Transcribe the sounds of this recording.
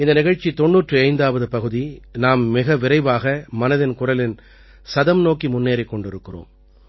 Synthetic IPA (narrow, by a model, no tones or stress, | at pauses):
ɪnd̪ɐnɪɣɐɻt͡ʃːit̪ɔɳːuːʈrɯɐɪnd̪aːʋɐðɯpɐɣɯðinaːmːɪɣɐʋɪɾɐɪʋaːɣɐmɐnɐðɪnkʊrɐlɪn | sɐðɐmnoːkimʊnːeːɾɐɪkːɔɳɖɪɾɯkːɪro̰ːm